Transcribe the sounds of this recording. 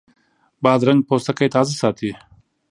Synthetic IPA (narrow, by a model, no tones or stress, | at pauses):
bɑːd̪ɾaŋɡ̚poːst̪akajt̪aːzasɑːt̪ʰi